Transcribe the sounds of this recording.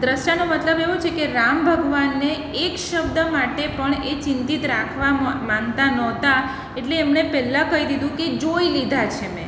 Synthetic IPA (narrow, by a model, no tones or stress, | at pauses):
d̪ɾəʃjanomət̪ləbeʋot͡ʃʰekeɾambʱəɡʋanːeː | kʃəb̚d̪əmaʈepəɳet͡ʃɪ̃nt̪it̪ɾakʰʋamãŋt̪anɔt̪a | eʈleːmnepɛlakəid̪id̪ũked͡ʒoilid̪ʱat͡ʃʰemḛ̃